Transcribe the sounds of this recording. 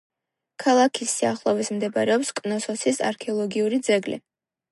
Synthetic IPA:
kʰalˠakʰisiaχlˠɔvismd̪ɛbaɾɛɔpskʼnɔsɔsisa̰ɾkʰɛɔlˠɔɡiuɾid̪zɛɡlḭ

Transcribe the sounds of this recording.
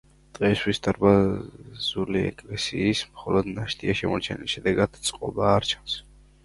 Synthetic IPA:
d̪̥ʁɛsʰwisd̪aɾbazuliɛ̰kʼlɛsiːsmχɔlɔd̪naʃt̪ʼiaʃɛmɔɾt͡ʃʰɛniliʃɛd̪ɛɡad̪̥t̪sʼqʼɔbaːɾt͡ʃʰḁns

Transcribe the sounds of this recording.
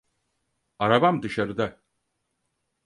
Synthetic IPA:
aɾabamd̪ɯʃaɾɯd̪a

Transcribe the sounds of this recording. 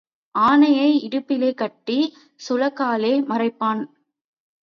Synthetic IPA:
aːnɐjɐɪɪɽɯpːɪleːkɐʈːi | sʊlɐkːaːleːmɐrɐɪpːaːn

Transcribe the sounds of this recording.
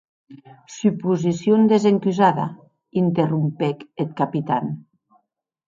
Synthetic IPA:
sypuzisjond̪ezeŋkyzaða̰ | int̪erumpɛket̪̚kapit̪an

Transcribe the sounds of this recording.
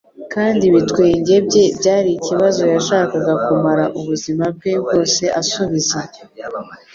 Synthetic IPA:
kaːndiβitkwe̞ːɲɟe̞bɟe̞bɟaːɾiciβazo̞jaʃaːkaɡakumaɾaʔuβuzimab̚ɡe̞bɡo̞ːse̞ʔasuβize

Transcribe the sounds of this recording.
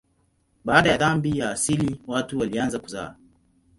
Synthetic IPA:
ɓaːɗajaðambijaːsiliwatuwalianzakuza̰ː

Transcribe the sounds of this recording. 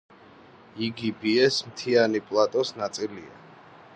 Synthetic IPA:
iɡibiɛsmt̪ʰianipʼlˠat̪ʼɔsnat̪sʼilia̰

